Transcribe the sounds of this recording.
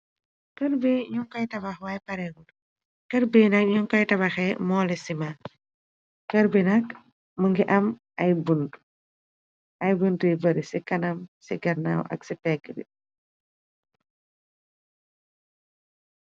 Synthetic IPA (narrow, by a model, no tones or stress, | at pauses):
kɐrbiɲuŋkɐjtɐbɐxwajpɐɾɛŋul | kəɾbinɐk̚ɲuŋkɐjtɐbɐxɛmɔːlisima | kəɾbinɐk | məŋɡiʔɐm | ɐjbun | ɐjbundibɐɾisikɐnɐmsiɡɐɾna̰wʔɐ̰ksipɛɡɾḭ